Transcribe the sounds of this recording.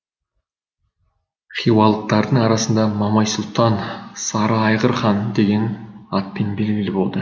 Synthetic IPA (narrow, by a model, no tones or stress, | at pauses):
qʰijwɑlˠt̪ːɑɾd̪əɴɑɾɑsənd̪ɑmɑmɑjsʊlˠt̪ɑnsɑɾɑɑjʁəɾχɑnd̪e̞ɡʲe̞nɑt̪̚penbe̞lɡʲɪlɪbo̞lˠd̪ə